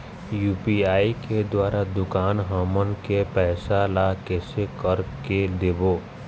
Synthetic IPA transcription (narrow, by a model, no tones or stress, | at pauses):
juːpiaːiked̪waːɾad̪ʊkaːnɦamənkepɛːsalakɛːsekəɾked̪eːboː